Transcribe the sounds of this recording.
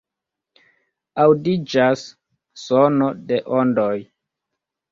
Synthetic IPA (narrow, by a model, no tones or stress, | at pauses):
awdid͡ʒasː | ono̞deʔondoj